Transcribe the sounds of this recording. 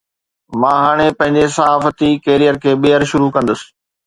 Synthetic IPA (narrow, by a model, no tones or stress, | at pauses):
mãːɦaːɽ̃epɐ̃ɦɪ̃ɲd͡ʑesɐɦaːfət̪ikeːɾijəɾkʰeːɓeɦəɾʃʊɾukɐ̃nd̪əsɪ̥̆